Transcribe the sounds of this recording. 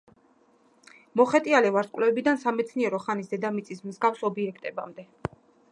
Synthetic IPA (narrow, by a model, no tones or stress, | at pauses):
mɔχɛt̪ʼialɛvaɾskʼvlɛɛbid̪ansamɛt̪sʰniɛɾɔχanisd̪ɛd̪amit̪sʼismzɡafsɔbiɛk̚ʰt̪ʼɛba̰md̪ɛ